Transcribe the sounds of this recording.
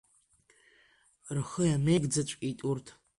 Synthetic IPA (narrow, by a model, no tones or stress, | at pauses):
rχəjameɡʼd͡zat͡ʃʷʼitʼurtʰ